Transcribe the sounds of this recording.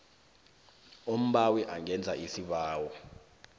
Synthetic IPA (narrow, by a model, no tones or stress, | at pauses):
om̩ɓawiʔaŋɛnd͡zʱaʔisiɓaːwɔ